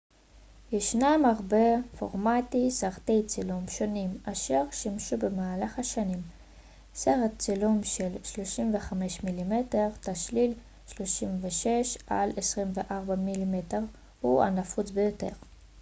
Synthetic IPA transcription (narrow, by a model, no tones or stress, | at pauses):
jeʃnamaʁbe̞fo̞̰ʁmatisaʁte̞jt͡silumʃo̞nimaʃe̞ʁʃimʃube̞maːlaχaʃanim | seʁett͡silumʃe̞lʃlo̞ʃimve̞χame̞ʃmilime̞te̞ʁtaʃlil | ʃlo̞ʃimveʃe̞ʃa̰lesʁimveʔaʁbamilimeteʁ | hua̰nafut͡sbejo̞te̞̰ʁ